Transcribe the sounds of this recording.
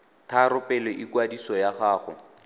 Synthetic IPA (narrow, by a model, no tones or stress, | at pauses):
tʰaɾʊpɛlɔʔɪkwadisɔjaχaːχʊ̰